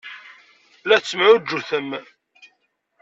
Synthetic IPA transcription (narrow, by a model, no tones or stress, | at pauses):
læt͡sːəmʕʊd͡ʒːuθəm